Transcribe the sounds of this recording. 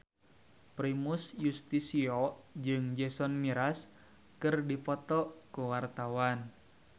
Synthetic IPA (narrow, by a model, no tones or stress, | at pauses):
pɾimusjust̪isiɔd͡ʒɨŋd͡ʒɛsɔnmiɾas | kɨrdipɔt̪ɔkuwart̪awan